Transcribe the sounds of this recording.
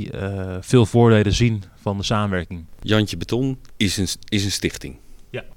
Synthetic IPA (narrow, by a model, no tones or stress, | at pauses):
fɪːlˠvʊːɹdeːləzinfɑndəsaːmənʋɛɹkɪŋjɔnt͡ʃəbətʰɔn | ɪsənstɪxtɪ̰ŋ